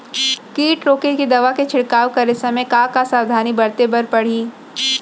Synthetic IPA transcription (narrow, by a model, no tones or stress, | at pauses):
kiːʈɾoːkekid̪ɐʋaket͡ʃʰɪɽkaːwkɐɾesɐmẽkaːkasaːwd̪ʱaːnibɐɽt̪ebɐɾpɐɽ̤iː